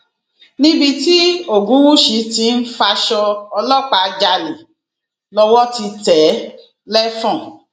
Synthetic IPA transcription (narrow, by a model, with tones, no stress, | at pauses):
nĩ˦bi˧ti˦o˦˨ɡũ˨˦wu˦ʃi˨˧˦ti˧˦n̩˦fa˧ʃɔ˧ɔ˧lɔ˦k͡pa˨d͡ʒa˧le˨ | lɔ˧wɔ˦ti˧tɛ˨˦ | lɛ˦fɔ̃˦˨